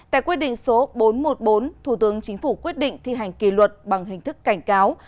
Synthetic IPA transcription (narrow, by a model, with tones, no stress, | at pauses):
t̪a̰ː˧˨jkwi˦˥ət̚ɗḭ˧˨ŋ̟so˨˦ɓo˨˦nmo˨˩t̚ɓo˨˦nt̪ʰu˧˩t̪ɨ˨˦əŋt͡ɕï˨˦ŋ̟fu˧˩kwi˦˥ət̚ɗḭ̈˧˨ŋ̟t̪ʰi˧ɦa˨˩jŋ̟ki˧˩lwə˨˩t̚ɓa˨˩ŋɦï˨˩ŋ̟t̪ʰɨ˦˥kːa˧˩jŋ̟kaː˨˦w